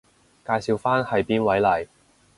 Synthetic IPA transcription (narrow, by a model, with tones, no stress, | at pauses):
kaː˧jsiː˨˧wfaː˥nhɐ˨jpiː˥nwɐ˨˥jlɐ˨˩j